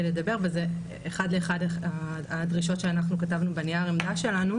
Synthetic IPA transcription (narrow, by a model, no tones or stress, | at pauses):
eledabe̞ʁveze | ʔːχadleːχadeaːdʁiʃo̞tʃeanaχnukatavnubeniaʁemdaʃe̞lanu